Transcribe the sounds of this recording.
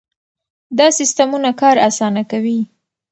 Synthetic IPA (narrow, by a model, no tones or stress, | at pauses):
d̪ɑsɪst̪amunakɑɾasɑnakawi